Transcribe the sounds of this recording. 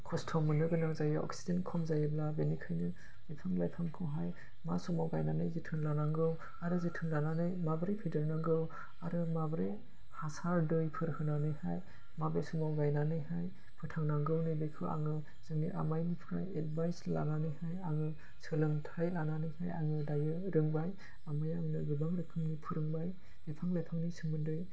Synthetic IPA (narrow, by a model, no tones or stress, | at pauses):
kʰɔstʰɔmɯnɯɡɯnaŋzajaɔ̰ksi̥zenkʰɔmzajeblabenikʰajnɯ | zipʰaŋlajpʰamkʰɯwɦaj | masɔmawɡajnanɯjzitʰɯŋlanaŋɡɯw | aɾɯzitʰɯŋlananɯjmabɾipʰidɯɾnaŋɡɯw | aɾɯmabɾe | hasaɾdɯjpʰɯɾhɯnanɯjhaj | mabesumawɡajnanɯjɦaj | pʰɯtʰaŋnaŋɡɯwnɯjbekʰɯʔa̰ŋɯ | z̥ɯŋnḭʔa̰majnipʰɾa̰jed̚bajsla̰nanɯjhajaŋɯ | sɯlɯŋtʰajlananɯjhaja̰ŋɯdajɯ | ɾɯŋbaj | amajaŋnɯɡɯbaŋɾɯkʰɯŋnipʰuɾɯŋbaj | ɡɯpʰaŋlajpʰawnisɯmɯndɯj